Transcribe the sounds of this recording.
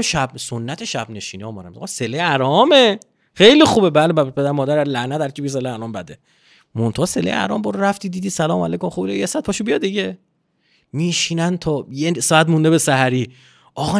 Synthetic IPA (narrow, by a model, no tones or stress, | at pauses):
ʃæb̚sonːæt̪ʰeʃæbne̞ʃiːniɒːmɒːɾæ̰mɒse̞leæɾɒːme | xe̞jlixuːbebælebæpʰed̪æɾemɒːd̪æɾæɾlæhnæt̪hæɾcʰibijes̬eleæɾɒːmbæd̪e | mont̪ʰohse̞lḛjæ̰ɾɒ̰ːmbɒɾɾæft̪iːd̪iːd̪iːsælɒːmæ̰lejkʰomxubinojesæt̪̚pɒʃobijɒd̪d̪iɟe̞ | miːʃiːnænt̪ʰɒːjesɒːæt̪mund̪ebesæhæɾiː | ʔɒɣɒ